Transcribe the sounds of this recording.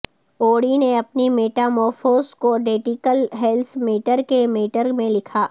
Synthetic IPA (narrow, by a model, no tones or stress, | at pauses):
oːɽineɐpnimeːʈamɔːfoːskoɖeːʈɪkəlɦɛlt̪ʰmeːʈəɾkemeːʈəɾmẽlɪkʰaː